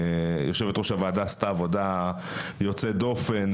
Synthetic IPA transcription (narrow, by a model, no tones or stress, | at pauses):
jo̞ʃevet̪ʁoʃavaːd̪ast̪aːvod̪a | jot͡sed̪o̞fen